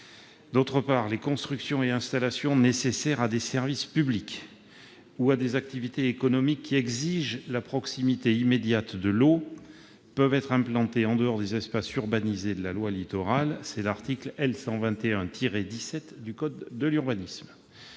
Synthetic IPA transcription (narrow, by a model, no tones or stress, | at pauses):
d̪ot̪χəpaʁlekɔ̃st̪χyksjɔ̃eɛ̃st̪alasjɔ̃nesesɛʁad̪esɛʁvispyblik | uad̪ezak̚t̪ivit̪eːkɔnɔmikʰʲːiɛɡziʒlapχɔksimit̪eimed̪jat̪d̪əlo | pœvɛt̪χɛ̃plɑ̃t̪eɑ̃d̪əɔʁd̪ezɛspasyʁbanized̪əlalwalit̪ɔʁalsɛlaʁt̪iklɛlsɑ̃vɛ̃t̪eɛ̃t̪ʰiʁed̪isɛt̪d̪ykɔd̪ːəlyʁbanism